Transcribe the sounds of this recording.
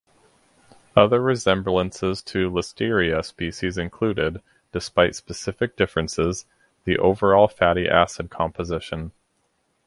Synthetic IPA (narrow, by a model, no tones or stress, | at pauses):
ʌðə˞ɹɨzɛ̃mblˠə̃nsɪz̥tʰɨləstɪɹiɨspiʃizɨ̃nkʰl̥ʉɾɪd | d̥ɨspaɪtspɨsɪfɨk̚d̥ɪfɹɨ̃nsɪz | ðiʔo̰ʊvə˞ɔlˠfæɾiʔæsɨd̚kʰɑ̃mpəzɪʃɨ̃n